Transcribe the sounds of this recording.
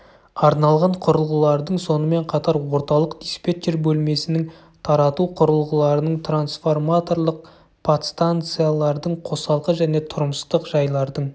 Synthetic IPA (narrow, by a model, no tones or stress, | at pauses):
ɑɾnɑlˠʁɑɴqʰʊɾəlˠʁəlˠɑɾd̪əɴso̞nəme̞ɴqʰɑt̪ɑɾwo̞ɾt̪ɑlˠəqd̪̥ʲispʲet̪ʲːerbɵlme̞sɪnɪŋ | t̪ʰɑɾɑt̪uqʰʊɾəlˠʁəlˠɑɾənəɴt̪ʰransfo̞rmat̪o̞ɾlˠəq̚ | pʰat̪st̪ant̪sɨjalˠɑɾd̪əɴqʰo̞sɑlˠqəʒæne̞t̪ʰʊɾəməst̪əqʒɑjlˠɑɾd̪əɴ